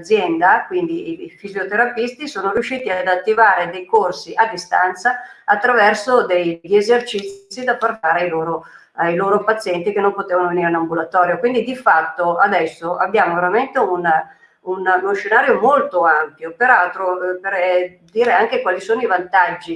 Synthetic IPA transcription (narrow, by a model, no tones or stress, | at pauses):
d̪zːjɛnd̪akwind̪iifizjot̪eɾapist̪isoːnoɾjuʃːiːt̪iad̪at̪ːivaːɾed̪ejkorsiʔad̪ist̪ant̪saat̪ːɾavɛrsod̪ejʎezert͡ʃit̪ssːid̪apart̪aːɾeajloːɾo | ajloːɾopat̪sːjɛnt̪ik̟enːompot̪eːvanoveniːɾinambulat̪ɔːɾjokwind̪id̪ifat̪ːoad̪ɛsːoabːjaːmoveɾament̪euna | unoʃenaːɾjomolt̪oampjopeɾalt̪ɾoper | d̪iːɾeaŋk̟ekwaːlisoːnoivant̪ad͡ʒːi